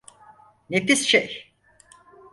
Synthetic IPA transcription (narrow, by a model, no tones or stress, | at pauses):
nefisʃej